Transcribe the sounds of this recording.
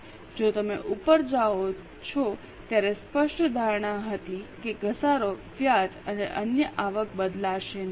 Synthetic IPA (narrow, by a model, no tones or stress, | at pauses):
d͡ʒot̪əmeʔupəɾd͡ʒao | t͡ʃʰɔ | t̪jaɾespəʃʈʰd̪ʱaɾɳ̃aɦət̪ikeɡʱəsaɾoʋjad͡ʒəneʔənjəʔaʋək̚bəd̪laʃen